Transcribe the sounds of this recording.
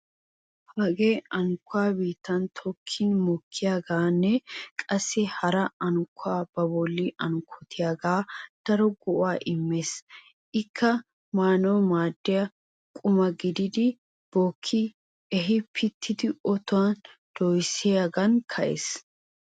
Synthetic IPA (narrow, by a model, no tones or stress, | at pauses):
haːɡeːɐŋkːʊaːbiːt̪ːɐnt̪ʰɔkʰːɪnmɔkʰːɪjaːɡaːnːɛkʼɐsːɪhɐɾɐɐnkʰːʊaːb̥ɐbɔlːɪʔɐnkʰːɔt̪ʰɪjaːɡaːd̪̥ɐɾɔɡɔʔwaːʔɪmːeːs | ʔɪkʰːɐ | maːnɔmaːd̪ːɪjɐ | kʼʊmɐɡɪd̪ɪd̪ɪ | b̥ɔkʰːɪ | ɛɦɪpʰːɪt̪ʰːɪd̪ɪʔɔt̪ʊwand̪̥oːjsːɪjaːɡɐnkʰɐʔes